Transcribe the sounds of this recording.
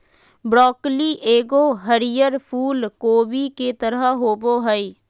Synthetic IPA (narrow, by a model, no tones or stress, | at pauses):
bɾɔːkliːʔeːɡoːɦəɾijəɾpʰuːlkoːbiːket̪əɾəɦoːboːɦəiː